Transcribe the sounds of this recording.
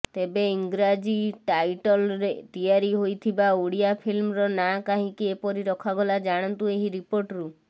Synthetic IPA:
t̪ebeiŋɡɾad͡ʒiʈajʈɔlɾet̪ijaɾiɦojt̪ʰibauɽijapʰilmɾɔnakaɦĩkiepɔɾiɾɔkʰaɡɔlad͡ʒaɽ̃ɔnt̪ueɦiɾipoɾʈɾu

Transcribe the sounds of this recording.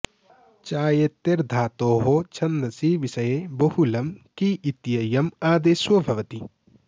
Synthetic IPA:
t͡ʃaːjet̪ːeɾd̪ʱaːt̪oːɦoːt͡ʃʰɐnd̪ɾɐsiʋisɐjebɐhulɐmkiʔit̪jɐjɐmaːd̪eswɐbʱɐʋɐt̪i

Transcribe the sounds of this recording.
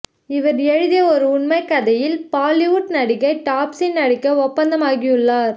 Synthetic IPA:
ɪʋɐɾɛɻɯðɪjɐɔɾɯʊɳmɐɪkːɐðɐjɪlpaːlɪʊʈnɐɽɪɣɐɪʈːaːpsɪnnːɐɽɪkːɐɔpːɐnd̪ɐmaːɣɪjɯɭːaːɾ

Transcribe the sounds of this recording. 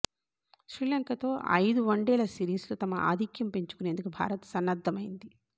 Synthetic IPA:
ʃɾiːlɐŋkɐt̪o̞ːʔɐ̰jd̪uʋɐɳɖɛːlɐsiːɾiːslut̪ɐmɐʔa̰ːd̪ʱikjɐmpeɲt͡ʃu̥kune̞ːnd̪ukubʱa̰ːɾɐt̪sɐnːɐd̪ʱːɐmɐjind̪i

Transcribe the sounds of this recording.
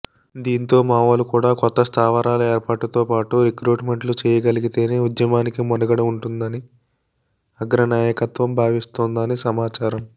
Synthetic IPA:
d̪iːnt̪o̞ːmaːʋɐlukuːɽaːkɔt̪ːɐst̪ʰaːʋɐɾaːlɐeːɾpaːʈut̪o̞ːpaːʈuɾikɾuːʈme̞ɳʈlut͡ʃɛːjɐɡɐliɡit̪e̞ːneːud̪jɐmaːnikimɔd̪ɐɡɐɽɐuɳʈund̪ɐni | ɐɡɾɐnaːjɐkɐt̪ʋɐmbʱaːʋist̪oːnd̪ɐnisɐmaːt͡ʃaːɾɐm

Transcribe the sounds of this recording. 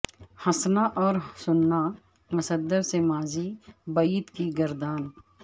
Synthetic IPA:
hɐsnaʔɔːɾsʊnːa | mʊsəd̪əɾsemaːzibɐit̪kiɡɐɾd̪aːn

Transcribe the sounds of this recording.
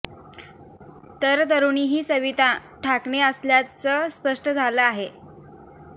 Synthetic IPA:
t̪əɾt̪əɾuniːɦiːsəʋit̪a | ʈʰakɳeəsljat͡ssəːspəʂʈəd͡zʱaləaɦe

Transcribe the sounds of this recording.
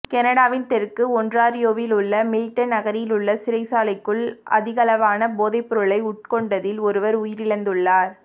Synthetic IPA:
kɛnɐɽaːʋɪnt̪ɛɾkɯɔndraːɾɪjoːʋɪlʊɭːɐmɪlɪʈːɐnnɐɣɐɾjɪlʊɭːɐsɪɾɐɪsaːlɐɪkːɯɭʔɐ̰ðɪɣɐlɐʋaːnɐboːðɐɪpːɔɾɯɭɐɪʊʈ̚kɔɳɖɐðɪlɔɾɯʋɐɾʊjɪɾɪɻɐnd̪ɯɭːaːɾ

